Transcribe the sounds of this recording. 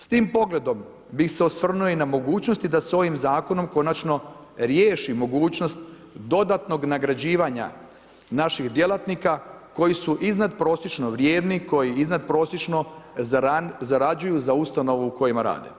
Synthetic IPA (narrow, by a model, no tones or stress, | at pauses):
st̪iːmpo̞ɡle̞d̪o̞m | bixseosʋr̩nujoinamo̞ɡuːt͡ɕno̞st̪id̪aso̞ʋimzaːko̞no̞mko̞nat͡ʃno̞ɾjeːʃimo̞ɡuːt͡ɕno̞st̪ | d̪o̞d̪at̪no̞ɡnaɡɾad͡ʑiːʋaɲa̰ | naʃiɣd̪je̞lˠat̪nikako̞jisuʔiznad̪pɾo̞ːsjet͡ʃno̞ʋɾje̞ːd̪niko̞jiiznad̪̚pɾo̞ːsjet͡ʃno̞azaɾad͡ʒujuzaust̪ano̞ʋuːko̞jimaɾa̰ːd̪ḛ